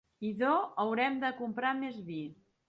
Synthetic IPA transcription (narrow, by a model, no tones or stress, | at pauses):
iðoəwɾɛmd̪əkumpɾamezβi